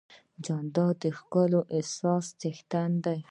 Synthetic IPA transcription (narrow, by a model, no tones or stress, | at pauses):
d͡ʒɑnd̪ɑd̪əxkəloʔesɑst̪ext̪and̪aj